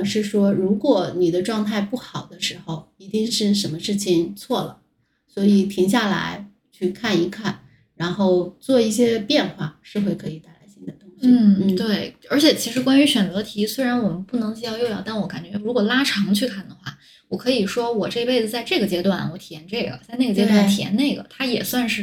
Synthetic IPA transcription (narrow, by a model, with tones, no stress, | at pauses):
ʂɻ̩˥˩ʂwɔ˥ɻu˧˥kwɔ˨˩ni˨˩d̪ə˦ʈ͡ʂwɑ˥˧ŋt̪ʰa˥˧ɪpu˥˩xɑ˨˩ʊd̪ə˦ʂɻ̩˧˥xo˧ʊi˧˥t̪i˥˧ŋʂɻ̩˥˩ʂə˧˥nmə˧ʂɻ̩˥˩t͡ɕʰi˨˩ŋt͡sʰwɔ˥˩lə̰˩ | swɔ˧˥i˨˩t̪ʰi˧˥ŋɕ̬ja˥˩la̰˧˥ɪ | t͡ɕʰy˥˧kʰa˥˩ni˧˥kʰa˥˩n | ɻa˧˥nxo˥˧ʊt͡swɔ˥˧i˥˩ɕjɛ˥pjɛ˥˧nxwa˥˩ʂɻ̩˥˧xwe˥˧ɪkʰɤ˧˥i˨˩t̪a˥˩ɪla˧˥ɪɕi˥nd̪ə˨˩t̪ʰʊ˥ŋɕn̩˥˩t̪we˥˩ɪə˞˧˥t͡ɕʰjɛ˨˩t͡ɕʰi˧˥ʂɻ̩˧˥kwa˥ny˧˥ɕɥɛ˨˩nt͡sɤ˧˥t̪ʰi˧˥swe˥ɪɻa˧˥nwɔ˨˩mə˦npu˥˩nɤ˧˥ŋt͡ɕi˥jɑ˥˧ʊjo˥˧jɑ˥˧˩t̪nwɔ˧˥ka˨˩nt͡ɕɥɛ˧˥ɻu˧˥kwɔ˨˩la˥ʈ͡ʂʰɑ˧˥ŋt͡ɕʰy˥˧kʰa˥˩nd̪ə˩xwa̰˥˩ | wɔ˨˩kʰɤ˧˥i˨˩ʂwɔ˥wɔ˨˩ʈ͡ʂɤ˥˧i˥pe˥˩ɪd͡zə˨˩t͡sa˥˧ɪʈ͡ʂɤ˥˩ɡə˩t͡ɕjɛ˥t̪wa˥˩nwɔ˧˥t̪ʰi˨˩jɛ˧˥nʈ͡ʂe˥˩ɡə̰˩t͡sa˥˧ɪne˥˩ɡə˩t͡ɕjɛ˥t̪a˥˩t̪ʰi˨˩jɛ̰˧˥ne˥˩ɪɡə̰˩t̪ʰa˥jɛ˨˩swa˥˧nʂɻ̩˥˩